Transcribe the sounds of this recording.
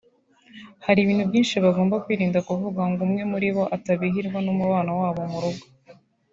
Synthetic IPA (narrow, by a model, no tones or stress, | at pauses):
haɾiβiːn̥hubɟiːnʃiβaɡo̞ːmbakwiːɾiːndakuvuɡaŋɡumŋe̞muɾiβo̞ʔataβiɦiɾɡwanumuβaːnawaːβomuɾuɡo̥